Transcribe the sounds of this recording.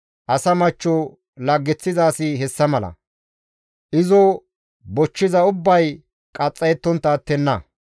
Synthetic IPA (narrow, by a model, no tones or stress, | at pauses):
ʔɐsɐmɐt͡ʃːɔ | lɐɡːɛt͡sːɪzaːsɪɦɛsːɐmɐlɐ̰ | ʔɪzɔ | bɔt͡ʃːɪzɐʊbːɐj | kʼɐt͡sʼːɐjɛt̪ːɔnt̪ːɐːt̪ːɛnːɐ